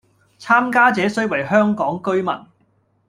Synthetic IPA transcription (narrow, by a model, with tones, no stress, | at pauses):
t͡sʰaː˥mkaː˥t͡sɛː˨˥sɵ˥ɥwɐ˨˩jɦœː˥ŋkɔː˨˥ŋkɵ˥ɥmɐ̰˨˩n